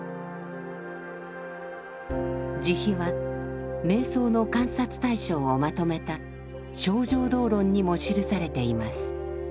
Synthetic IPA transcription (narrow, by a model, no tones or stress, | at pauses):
d͡ʑiçiβa | me̞ːso̞ːno̞kãɰ̃sat͡sɨ̥t̪aiɕo̞ːomat̪o̞me̞t̪a | ɕo̞ːʑo̞ːd̪o̞ːɾõ̞ɲ̟ːimo̞ɕiɾɯ̟saɾe̞t̪e̞imasɨ̥